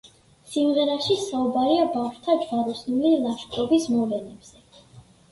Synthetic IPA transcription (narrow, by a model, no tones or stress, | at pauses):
simʁɛɾaʃisaubaɾiabafʃt̪ʰad͡ʒʁaɾɔsnulilˠaʃkʼɾɔbismɔvlɛnɛbz̥ɛ